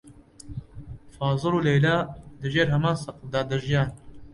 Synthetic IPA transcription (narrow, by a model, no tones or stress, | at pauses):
fɑːzɨɾuːleːlaːd̪ɨʒeːɾɦɐmɑːnsɐqd̪ɑːd̪ɐʒijɑːn